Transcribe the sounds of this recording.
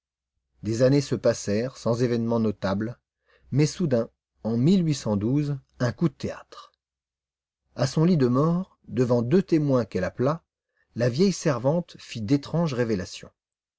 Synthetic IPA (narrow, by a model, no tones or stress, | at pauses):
d̪ezanesəpasɛʁsɑ̃zevɛnmɑ̃nɔt̪abl | mɛsud̪ɛ̃ | ɑ̃milɥisɑ̃d̪uz | ɛ̃kud̪ət̪ea̰t̪χ | asɔ̃lid̪əmɔʁ | d̪əvɑ̃d̪øt̪emwɛ̃kɛlapla | lavjɛjsɛʁvɑ̃t̪fid̪et̪χɑ̃ʒʁevelasjɔ̰̃